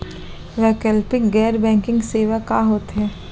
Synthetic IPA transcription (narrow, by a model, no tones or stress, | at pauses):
ʋɛkɛlpɪɡɛːɾbɛ̃ːŋkɪ̃ŋɡseːʋakaɦoːt̪ɦɛː